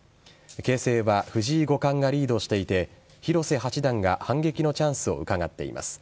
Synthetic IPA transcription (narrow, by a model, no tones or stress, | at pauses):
ke̞ːse̞ːβaɸɯ̟ʑiːɡo̞kãŋɡaɾʲiːd̪o̞ɕi̥t̪e̞it̪e̞ | çiɾo̞se̞ɦat͡ɕid̪ãŋɡa̰hãŋɡe̞kʲino̞t͡ɕãɰ̃sɨo̞̰ɯ̟kaɡat̪ːe̞̰ḭma̰sɨ̥